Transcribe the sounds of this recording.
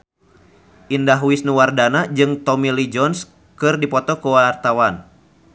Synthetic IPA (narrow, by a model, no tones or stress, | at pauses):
ʔindaɦuwisnuwardanad͡ʒɨŋt̪ɔmilid͡ʒɔns | kɨrdipɔt̪ɔkuwart̪awan